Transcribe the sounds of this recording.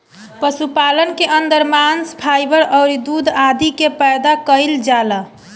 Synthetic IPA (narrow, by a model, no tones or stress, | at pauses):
pəsupalənkeʔənd̪əɾmanspʰajbəɾəʊɾid̪ud̪ʱad̪ʱikepɛjd̪akəɪld͡ʒala